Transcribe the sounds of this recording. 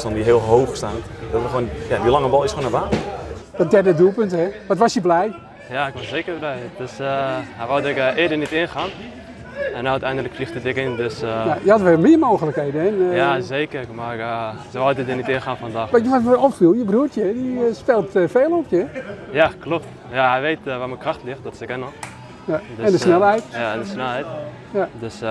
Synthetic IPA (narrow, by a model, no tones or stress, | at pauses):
sɔndiɦɪəlˠɦoːxstaːnd̥ɔtʋəxonjaʋilaŋəbɔlˠɪsxoːnəbaːndɔdɛrdədulˠpønthɛʋɔtʋɔsjəblɛj | jaɪkʋɔsseːkərblɛjdøshaʋɔwdɛkɪːdənitɪnxaːn | ɛnatɛjndələkflixtətɪkɪndøsjajəhatʋɛlˠmɪəmoːxələkheːdənɛnjazeːkərmasəʋɔdədənitɪnxaːnfɔndaxʋajəʋɔtɛɔpfilˠjəbruətjədispɛlˠtfeːlˠɔpjəjaklopt | jahɛjʋeːtʋaməkraxtlɪxt̚dɔtsɛkɛnɔx | jadøɛndəsnɛlˠhɛjtjaɛndəsnɛlˠhɛjt | jadøs